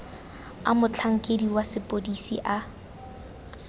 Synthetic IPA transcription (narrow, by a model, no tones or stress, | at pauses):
a̰mʊt͡ɬʰaŋ̩kʼediwasɪpʼodisḭʔa